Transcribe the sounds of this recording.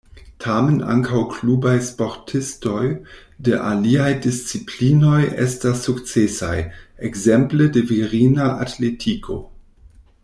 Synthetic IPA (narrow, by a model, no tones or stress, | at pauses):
tʰaːmənʔa̰ŋkʰawkʰluːbajspɔʁtʰɪstɔjdəʔaliajdɪst͡sipʰliːnɔjʔɛ̰stasukt͡sɛsajʔɛɡzɛmplədəviʁiːnaʔa̰tʰletʰikʰo̰